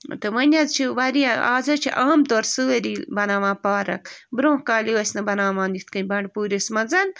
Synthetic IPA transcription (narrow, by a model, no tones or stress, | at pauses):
t̪ɨʋɐnʲɐzt͡ʃʰiʋɐɾiɐaːzɐt͡ʃʰḭʔaːmt̪oːɾsɨɐɾiːbɐnaːʋãːpaːɾɐ̰kbɾõːkaːliwɐsʲnɐbɐnaːmãːnd̪it̪ʰkɐnʲbɐɳɖpuːɾismɐnzɐn